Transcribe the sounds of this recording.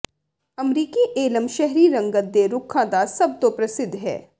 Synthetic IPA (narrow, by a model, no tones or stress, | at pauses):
əmɾiːkiʔeːləmʃɛɦɾiɾə̃ŋɡət̪̚d̪eɾʊkʰːãːd̪asɐb̚t̪opɾəsɪd̪ʱːɦɛ̰ː